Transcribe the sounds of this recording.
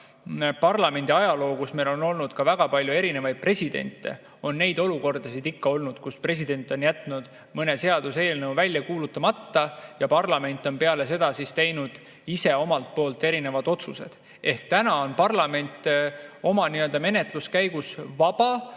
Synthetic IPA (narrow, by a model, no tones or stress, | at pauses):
pɑrlɑme̞nʲd̪̥ʲiɑjɑlo̞ːkusme̞lo̞no̞lnud̪̥kɑvæɡ̥ɑpɑlʲjue̞ɾine̞vɑjd̪̥̚pre̞sʲid̪̥e̞̰nʲt̪ːˑḛ | o̞nːe̞jd̪o̞luko̞rd̪̥ɑsid̪ikːɑo̞lnud̪̥kuspre̞s̬id̪̥e̞nt̪ːˑo̞njæt̪ˑnud̪̥ | mɤne̞se̞ɑd̪̥use̞ːlnəwvælʲːjɑkuːlut̪ːˑɑmɑt̪ːɑjɑpɑrlɑme̞nʲt̪ːˑo̞npe̞ɑle̞se̞d̪̥ɑsist̪e̞jnud̪̥ | ise̞o̞mɑlt̪̚po̞ːlt̪ːe̞ɾine̞vɑd̪o̞t̪suse̞̰d̪̥ | e̞hkt̪ænɑo̞npɑrlɑme̞nʲt̪ːˑo̞mɑniø̞ld̪ɑme̞ne̞t̪luskæjɡ̥usvɑb̥ɑ